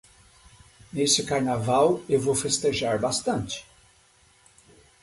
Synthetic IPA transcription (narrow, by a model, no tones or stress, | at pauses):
niːsɪkɐɾnɐvɐwɪvufɛst̪ɛʒɐɾbɐst̪ɐnt̪